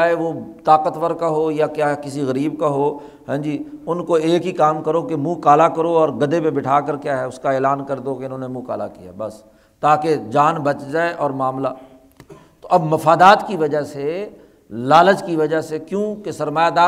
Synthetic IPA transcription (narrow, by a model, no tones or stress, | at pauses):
ɦeʋot̪aːqət̪ʋəɾkaɦoːjakjaɦkɪsiɣɐɾiːbkaɦoː | ɦɛ̃ːd͡ʒiːʊnkoeːkɦikaːmkəɾokemũːkaːlakɐɾoɔːɾɡɐd̪epẽbɪʈʰaːkəɾkjaːɦɛʊskaeːlaːnkɐɾd̪okeɪnɦõːnemũːka̰ːla̰kija̰bɐs | t̪aːked͡ʒaːnbɐt͡ʃd͡ʒaːeʔɔːɾmaːmla | t̪oʔɐbmɐfaːd̪aːt̪kiʋɐd͡ʒəɦse | laːləd͡ʒkiʋɐd͡ʒəɦsekjõːkesɐɾmaːjad̪aː